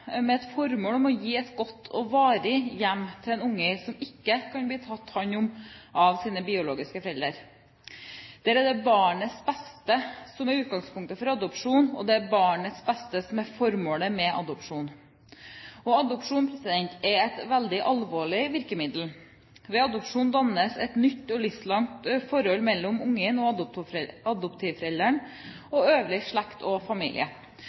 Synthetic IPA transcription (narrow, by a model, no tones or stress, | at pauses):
mɛɛt̪fɔɾmoːlɔmɔjiːɛt̪ɡɔt̪ʰːɔʋɑːɾɪjæmːt̪ʰɪlɛnʊŋːəsɔmɪkːəkʰɑnbliːt̪ʰɑt̪ːhɑnʊmʔɑʋsiːnəbɪːʊloːɡɪskəfɾɛləɾ | d̪̥æːɾəd̪ɛbɑːɳət̪sbɛst̪əsɔmæɾʉːt̪̚ɡɑŋspʰʊŋkt̪əfɔɾɑd̪ʊpʂuːnɔ̰d̪ɛæɾbɑːɳət̪sbɛst̪əsɔmæɾfɔɾmoːləmɛʔɑ̰d̪ʊpʂuːn | ɔɑd̪ʊpʂuːnpʰɾɛsɪd̪ɛnt̪ʰɛɾɛt̪ʋæld̪ɪʔɑlʋoːɭɪʋɪɾkəmɪd̪l̩ | ʋɛɑd̪ɔpʂuːnd̪ɑnəsɛt̪nʏt̪ːɔlʏfslɑŋt̪fɔɾɔlmɛlːɔmʊŋːənɔʊɑd̪ʊpt̪ʰɪʋfɾɛld̪əɳ | ɔøːʋlɪʂɭɛkt̪ʰɔfɑmḭːlɪ̰ə̰